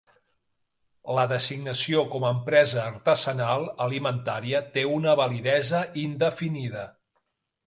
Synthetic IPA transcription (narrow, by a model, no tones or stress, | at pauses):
ləðəziɡnəsiokɔməːmpɾɛzəːɾt̪əzənalˠəlimənt̪aɾiət̪eunəβəliðɛzəʔind̪əfiniðə